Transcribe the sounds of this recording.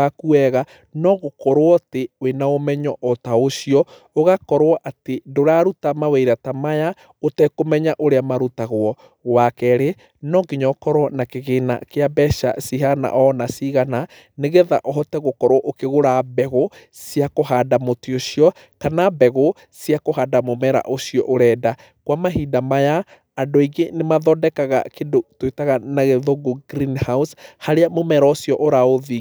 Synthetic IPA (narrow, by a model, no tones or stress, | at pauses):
akuɛɣa | nɔɣokɔɾwɔtewenaomɛɲɔʔɔtaoʃiɔ | oɣakɔɾwɔʔatendoɾaɾutamaweiɾatamaja | otɛkomɛɲaʔoɾeamaɾutaɣwɔ | ɣwakɛɾe | nɔɡiɲɔkɔɾwɔnakeɣena̰keabɛʃa̰siɦana̰ʔɔnasiɣana | neɣeða̰ʔɔɦɔtɛɣokɔɾɔʔokeɣoɾabɛɣo | siakoɦadamotioʃiɔ | kanabɛɣo | siakoɦadamomɛɾa̰ʔosiɔʔoɾɛːda | kwamaɦidamajaː | ndoiɡenemaðɔdɛkaɣa̰kedotwetaɣanaɣeðoɡoɡɾinhaushaɾeamomɛɾaosjɔʔoɾaoði